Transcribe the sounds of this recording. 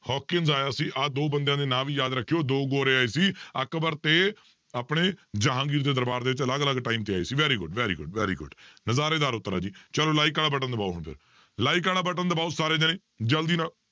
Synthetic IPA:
hɔːkɪŋzaːjaːsiːʔaːd̪oːbənd̪jãːd̪eːnãːʋiːjaːd̪ɾəkʰːijoːd̪oːɡoːɾeːaːeːsiːəkbəɾt̪eː | aːpɽeːd͡ʒəɦãːɡiːɾd̪eːd̪əɾbaːɾd̪eːʋɪt͡ʃələɡələɡʈaːiːmt̪eːaːiːsiːʋɛːɾiːɡʊɖʋɛːɾḭːɡʊɖʋɛːɾḭːɡʊ̰ɖnəzaːɾeːd̪aːɾʊt̪ːɾa̰ːd͡ʒiːt͡ʃəloːlaːiːkaːlaːbəʈənd̪əbaːoɦəɳpʰɪ̰ɾ | laːiːk̬aːɽaːbəʈə̃nd̪əbaːusaːɾeːd͡ʒ̪enẽː | d͡ʒəld̪iːnãː

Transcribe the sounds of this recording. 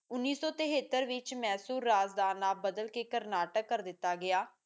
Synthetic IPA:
ʊnːiːsɔːt̪əɦeːt̪ːəɾʋɪt͡ʃmɛːsuːɾːaːzd̪aːnaːbəd̪əlkeːkəɾnaːʈəkːəɾd̪ɪt̪ːaːɡɪjaː

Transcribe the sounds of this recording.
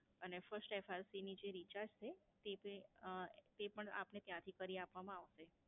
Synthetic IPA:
ənefəɾsʈɛfaɾsinid͡ʒeɾit͡ʃad͡ʒt͡ʃʰe | t̪ep | t̪epəɳa̰pnet̪jãt̪ʰikəɾiapʋamãaʋʃe

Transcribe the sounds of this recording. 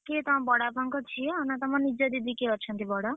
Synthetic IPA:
ket̪ʌmãbʌɽabʱʌŋkot͡sʰijoːnʌt̪ʌmanid͡zʌd̪id̪ikeɦʌrt͡sʰʌnt̪ibʌɽʌ

